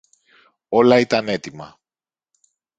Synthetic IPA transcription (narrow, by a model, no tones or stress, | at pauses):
o̞lɐit̪ɐne̞t̪imɐ̰